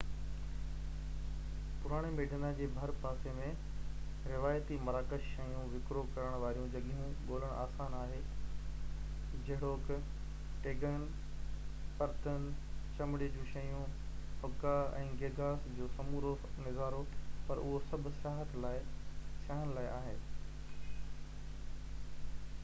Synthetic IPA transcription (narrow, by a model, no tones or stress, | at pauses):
pʊɾaːɽ̃emeːɖʱənad͡ʑeːbʱɐɾpaːsemẽ | ɾɪʋaːjt̪imɐɾaːkəʃʃɐjũʋɪkɾokɐɾəɽ̃ʋaːɾijũd͡ʑɐɠiɦũɠoːləɽ̃ʔa̰ːsaːnaːɦeː | d͡ʑɐɦɪɽoːk | ʈeːɡən | pɐɾt̪ənt͡ɕɐmɪɽed͡ʑũːʃɐjũ | hʊkːaɛ̰̃ːɡeːɡʱaːsd͡ʑoːsɐmuːɾo | nɪzaːɾopɐɾʊ̰ɦosɐb̆ʱsaːɦət̪laːɪsjaːɦnlaːɪʔaːɦeː